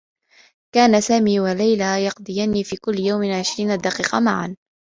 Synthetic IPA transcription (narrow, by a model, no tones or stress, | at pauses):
kaːnasaːmiːwalajlajɑqd̪ˤɨjaniːfiːkʊlːɪjawmɪʕɪʃɾiːnad̪ːɑqiːqɑma̰ʕa̰n